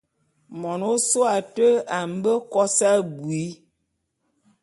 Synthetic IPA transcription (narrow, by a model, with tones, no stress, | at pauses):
mɔ˨no˦so˦a˨tə˦a˨m˦bə˦kɔ˦sa˦bwi˨˦